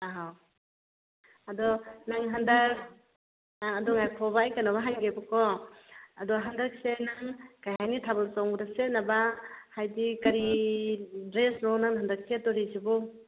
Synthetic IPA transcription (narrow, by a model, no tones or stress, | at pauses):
aɦaw | ɐdɔnaŋɦandak | aŋɐdɔŋajkʰɔbaːjkanaβaɦanɡebɔkɔ | ɐdɔɦandak̚senaŋkajɦajnitʰaβɐlsɔwŋɡɾasenabahajdikɐɾi | dɾesnɔnaŋnɦandak̚setɔɾisibu